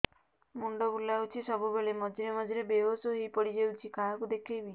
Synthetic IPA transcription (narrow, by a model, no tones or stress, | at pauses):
muɳɖɔbulawt͡ʃʰisɔbubeɭemɔd͡ʒiɾemɔd͡ʒiɾebeɦosoɦijpɔɽid͡ʒewt͡ʃʰikaɦakud̪ekʰebi